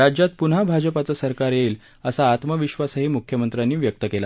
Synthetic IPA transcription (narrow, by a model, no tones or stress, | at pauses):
ɾad͡ʑjat̪̚pun̤abʱad͡ʑəpat͡sasəɾkaɾjeːl | əsaːt̪məʋiɕʋasəɦiːmukʰjəmənt̪ɾanːiːʋjək̚t̪əkela